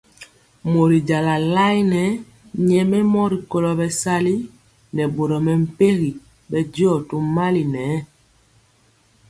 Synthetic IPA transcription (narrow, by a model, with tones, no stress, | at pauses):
mo˨ɾi˨ɟa˨la˨la˦i˦nɛ˨˦ | ɲɛ˨mɛ˦mɔ˦ɾi˨ko˨lɔ˨bɛ˨sa˦li˦ | nɛ˨bo˨ɾɔ˨mɛ˨m̩˨pe˦ɣi˨ | bɛ˨dɔ˦˨to˨ma˦li˨nɛː˨˦